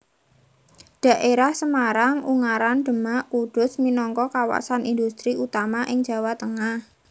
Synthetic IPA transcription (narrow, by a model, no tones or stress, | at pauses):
ɖ̥a̤ʔeɾahsəmaɾaŋuŋaɾanɖ̥ə̤maʔkuɖ̥ʊ̤sminɔŋkɔkawa̰sanind̪ust̪ɾiʔut̪amaʔɪŋ̥d͡ʒ̥a̤wat̪əŋah